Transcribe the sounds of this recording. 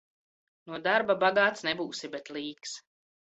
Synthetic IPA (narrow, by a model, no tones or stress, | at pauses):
nuɔd̪aɾbabaɡaːt̪snɛbuːsibɛt̪lˠiːks